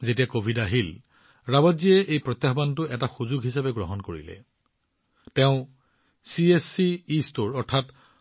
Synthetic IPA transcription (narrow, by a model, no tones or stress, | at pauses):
zet̬ijakobʱidaɦil | ɹabaziɛʔejpɹɔt̪jaɦbantʊɛtaxuzuɡɦisabɛɡɹɔɦɔnkoɹḭlɛ̰ | teʊ̃ | siesiːstoɹɔɹtʰat